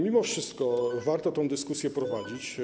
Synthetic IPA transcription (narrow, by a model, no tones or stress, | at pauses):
mʲimɔfʂɘst̪kɔvaɾt̪ɔt̪ɔ̃w̃d̪ɘskusʲjɛpɾɔvad͡ʑit͡ɕ